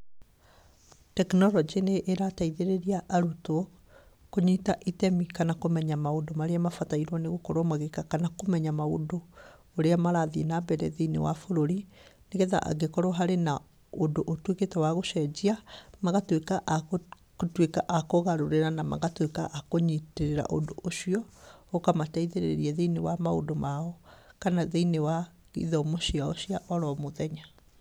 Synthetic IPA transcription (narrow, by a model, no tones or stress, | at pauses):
tɛknɔɾɔd͡ʒineʔːɾataiðeɾeɾiaʔaɾutoɔ | koɲitaʔitɛmikanakomɛɲamaodomaɾeamafataiɾwɔneɣokɔɾwɔmaɣekakanakomɛɲamaodoː | ɾeamaɾaðienabɛɾɛ̰ðiinḛwa̰foɾoɾineɣɛða̰ʔa̰ɡekɔɾɔɦaɾena | odoʔotweketɛwaɣoʃɛd͡ʑiamaɣatwekaʔ | twekaʔakoɣaɾoɾeɾanama̰ɣatwekaʔakoɲiteɾeɾa̰ʔo̰ndoʔoʃiɔokamataiðeɾḛɾiɛðeinewamao̰domaɔkanaðeinewa | ɣḭðɔmoʃiaɔɕiaʔɔɾɔmoðɛɲa